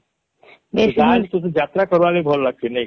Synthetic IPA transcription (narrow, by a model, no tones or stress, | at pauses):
beʃad͡ʒt̪ot̪̬od͡ʑat̪ɾakɔɾalebʱɔlɾaɡ̚t͡ɕʰene